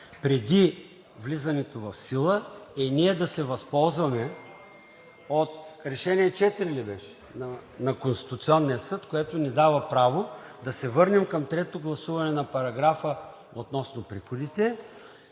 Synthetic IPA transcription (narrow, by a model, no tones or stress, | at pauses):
pɾɛd̪i | vlizɐnɛt̪ovɐfsilˠəɛniɛd̪ɐsɛvɐspɔlˠzvɐmɛ | ot̪ɾɛʃɛniɛt͡ʃɛt̪ɾilɛbɛʃɛ̥ | nɐnɐkonst̪i̥t̪ʊt̪siɔnːiɐsɤt̪koɛt̪onid̪avɐpɾavod̪ɐsɛvɤɾnɛmkɐmt̪ɾɛt̪oɡlˠɐsuvɐnɛnɐpɐɾɐɡɾafə | ot̪nɔsnopɾixod̪it̪ɛ